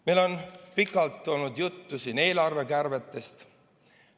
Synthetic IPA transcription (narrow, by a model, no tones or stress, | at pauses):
melo̞npikːˑɑlt̪ːˑo̞lnud̪jut̪ːusine̞ːlɑrve̞kærve̞t̪ːˑe̞st̪